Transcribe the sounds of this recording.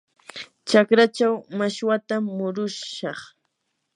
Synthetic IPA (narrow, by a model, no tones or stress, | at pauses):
t͡ʃakɾat͡ʃawmaʃwat̪amːʊɾʊʃɑχ